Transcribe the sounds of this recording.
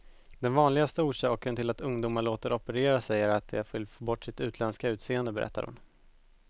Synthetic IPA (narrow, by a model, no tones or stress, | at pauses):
d̪ɛnvɑːnlɪɡast̪əuːʂɑːkənt̪ʰɪlat̪ɵŋd̪uːmaɭoːt̪əɾɔpəɾeːɾasɛjːəɾat̪̚d̪ɛæɾfʏlfoːbɔʈːsɪt̪ʉ̟ːt̪lɛnskaʉ̟ːt̪seːənd̪əbɛɾɛ̰t̪ːa̰ɾhʊ̰n